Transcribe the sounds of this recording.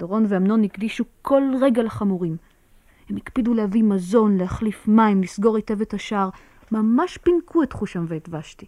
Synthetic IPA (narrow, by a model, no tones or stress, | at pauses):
d̥oʁo̞nveamno̞nhiɡdiʃukʰo̞lʁe̞ɡalaχamuʁim | hemikpidulehavimazo̞nleaχlifmaimlisɡo̞ʁite̞vethaʃaʁ | mamaʃpinkʰuetχuʃamveːtvaʃti